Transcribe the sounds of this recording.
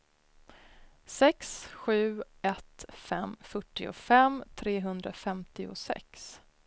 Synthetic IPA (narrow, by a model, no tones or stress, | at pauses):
sɛksɧʉ̟ːɛt̪fɛmfœʈːɪʊ̰fɛmt̪ʰɾeːɦɵnd̪ɾafɛmt̪ɪʊ̰sɛ̰ks